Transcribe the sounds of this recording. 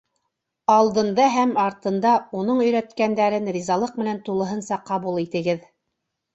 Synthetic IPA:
ɑlˠd̪ɤ̆nd̪ɑɦæmɑɾt̪ɤ̆nd̪ɑunɤɴɵ̆jɾæt̪kænd̪æɾɘnɾʲizɑlˠɤq̚mɘ̆nænt̪ulˠɤ̆ɦɤnsɑqɑβulˠit̪ɘ̆ɡɘð

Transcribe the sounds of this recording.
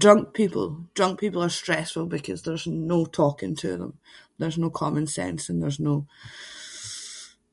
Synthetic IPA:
dɹʌ̃ŋk̚pʰipʰə̰l̩ˠd̥ɹʌ̃ŋk̚pʰipl̩ˠə˞stɹ̥ɛsfəlˠbɪkʰʌzðə˞znoːtʰɔkɪ̰̃ŋtʰə̰ðə̰̃mðə˞znoːkʰɔmə̃nsɛ̰̃nsə̃nðə˞zno

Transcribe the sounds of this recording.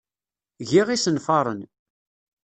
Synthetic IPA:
ʝiʁisənfɑɾˤə̰n

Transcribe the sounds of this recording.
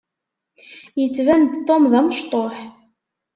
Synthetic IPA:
jit͡svænd̪t̪omðæmʃt̪ˤoħ

